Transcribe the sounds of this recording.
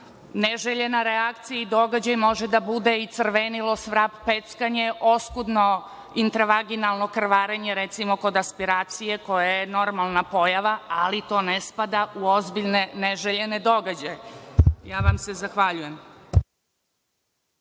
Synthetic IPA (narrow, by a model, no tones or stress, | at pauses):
neʒeʎe̞naɾeakt̪sijaid̪o̞ɡad͡ʑajmo̞ʒed̪abud̪eit̪sr̩ʋenilo̞sʋɾappet̪skaɲe̞ʔo̞skud̪no̞ | int̪ɾaʋaɡinalˠno̞kr̩ʋaːɾeɲeɾet̪simo̞ko̞d̪aspiɾaːt̪sije̞ko̞jajeno̞ɾmalˠnapo̞jaʋaa̰lit̪o̞ːnespad̪auo̞zbiʎneneʒeʎened̪o̞ɡad͡ʑajejaːʋamsezaxʋaʎuje̞m